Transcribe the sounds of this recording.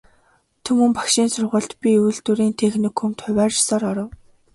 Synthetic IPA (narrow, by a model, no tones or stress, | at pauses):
t̪ʰɵmɵ̆mpḁkʃiːnsʊrʁə̆ɮt̪pʲiujɮt̪uɾiːnt̪ʰeːxnĭkxɵmt̪χʊwʲæːrt͡ɕsɔːɾɔɾɞ̆w